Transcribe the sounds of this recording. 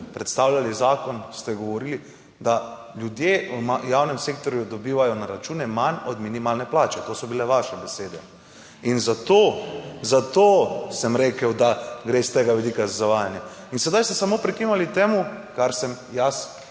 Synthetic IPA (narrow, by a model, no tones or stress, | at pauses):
pɾɛt̪st̪awlʲalizaːkɔnst̪ɛɡoʋɔɾiːli | d̪a | ljud̪jeumajawnɛmseːk̚t̪oɾjud̪ɔbiːʋajɔnaɾat͡ʃuːnɛmanɔd̪minimaːlnɛplaːt͡ʃɛt̪oːsɔbilɛʋaʃɛbɛseːd̪ɛ | inzat̪oːzat̪oːsəmɾeːkəwd̪aɡɾest̪eːɡaʋɛd̪ikazazaʋaːjanja | insɛd̪ajst̪ɛsamoːpɾikinalit̪eːmukaɾsɛm | jas